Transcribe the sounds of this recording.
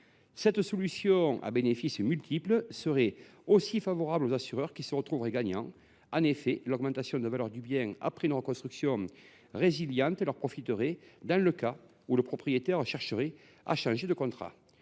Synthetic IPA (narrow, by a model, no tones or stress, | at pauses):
sɛt̪sɔlysjɔ̃a̰benefismylt̪ipləsəʁɛosifavɔʁablozasyʁœʁkʲisəʁət̪χuvəʁeɡaɲɑ̃ | ɑ̃nefɛlɔɡmɑ̃nt̪asjɔ̃nd̪əvalœʁd̪ybjɛ̃a̰pχɛynəʁəkɔ̃st̪χyksjɔ̃ | ʁeziljɑ̃nt̪əlœʁpχɔfit̪əʁɛd̪ɑ̃ləka | uləpχɔpχijet̪ɛʁʃɛʁʃəʁɛ | a̰ʃɑ̃ʒed̪əkɔ̃nt̪χa̰